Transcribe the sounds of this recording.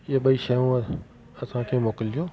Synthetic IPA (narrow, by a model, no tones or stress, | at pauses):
ɪaɓɐiʃɐjõ | ɐsãkʰeːmoːkɪld͡ʑoː